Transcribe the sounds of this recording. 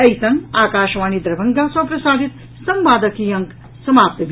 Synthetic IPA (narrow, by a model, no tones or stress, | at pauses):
ɐjt̪ɐmaːkaːʃʋaːnid̪ɾɐbʱɐŋɡasɐ̃pɾɐsaːd̪ʱit̪ | sɐmbaːd̪ɐkijɐŋk | sɐmaːp̚t̪əbʱ